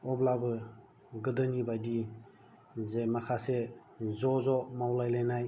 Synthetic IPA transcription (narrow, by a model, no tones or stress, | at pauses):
ɔblabɯ | ɡɯdɯnibadi | zemakʰase | zɔzɔmawlajlajnaj